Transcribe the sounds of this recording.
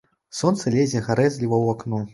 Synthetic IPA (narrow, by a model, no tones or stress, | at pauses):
sɔnt̪sɐlʲezʲɛɣaɾɛzʲlʲivɐwaknu